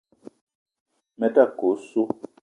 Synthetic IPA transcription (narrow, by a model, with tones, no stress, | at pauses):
mɛ˨ta˦˨ko˨˦su˦